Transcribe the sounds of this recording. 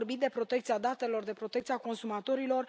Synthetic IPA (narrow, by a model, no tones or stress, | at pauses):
rbit̪d̪e̞pɾo̞t̪e̞k̚t̪siad̪at̪e̞lo̞rd̪e̞pɾo̞t̪e̞kt̪siako̞nsumat̪o̞ɾilo̞r